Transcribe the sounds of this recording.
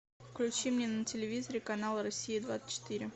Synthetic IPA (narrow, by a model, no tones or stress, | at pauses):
fklʲʉt͡ɕimnʲenətʲɪlʲɪvʲizəɾʲɪkɐnalˠəɾɐsʲːijɪd̪vat̪sə̥t͡ɕːɪ̥t̪ɨɾʲɪ